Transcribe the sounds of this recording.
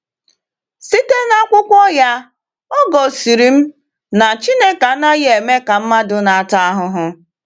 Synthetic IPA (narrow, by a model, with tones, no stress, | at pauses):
si˦te˦na˦kʷʊ˦kʷɔ˦ja˦ | ɔ˦ɡɔ˨si˨ɾi˨m̩˦ | na˨t͡ʃi˦ne˦ka˨˦na˦je˨me˦ka˨m̩˦ma˦dʊ˨na˨a˨ta˦a˦ɦʊ˨ɦʊ˨